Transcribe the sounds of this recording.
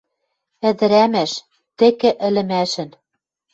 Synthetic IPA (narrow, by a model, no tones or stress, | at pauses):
ɘ̆d̪ɘ̆ɾæmæʃ | t̪ɘ̆kɘ̆ʔɘ̆lɘ̆mæʃɘ̆n